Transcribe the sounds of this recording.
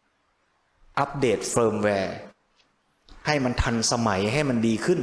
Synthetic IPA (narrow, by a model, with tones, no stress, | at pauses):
ʔa˦˥p̚deː˨˩t̪̚fɤː˧mwɛː˧ | ha˥˩jma˧nt̪ʰa˧nsa˧ma˩˦jɦa˥˩jma˧ndiː˧kʰɯ˥˩n